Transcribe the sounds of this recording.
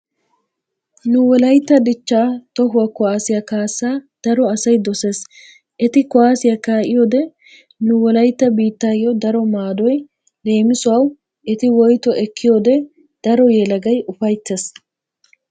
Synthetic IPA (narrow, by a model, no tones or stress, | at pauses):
nʊwɔlɐjt̪ːɐd̪ɪt͡ʃːaːt̪ɔɦʊwɐkʊaːsɪjɐkaːsːaːd̪̥ɐɾɔɐsɐjd̪ɔse̞ːs | ʔɛt̪ɪkɔaːsɪjɐkaːʔɪjɔd̪ɛ | nʊwɔlɐjt̪ːɐbiːt̪ːaːjːɔd̪ɐɾɔmaːd̪ɔj | le̞ːmɪsʊwaw | ʔɛt̪ɪwɔjt̪ɔʔɛkːɪjɔːd̪ɛ | d̪̥ɐɾɔjɛlɐɡɐjʔʊfɐjt̪ːes